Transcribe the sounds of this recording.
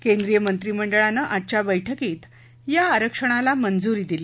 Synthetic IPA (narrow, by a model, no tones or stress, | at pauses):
kend̪ɾijəmənt̪ɾiməɳɖəɭanəʔat͡ɕjabəjʈʰəket̪ | jaːɾəkʂəɽ̃alamənd͡zuɾiːd̪ile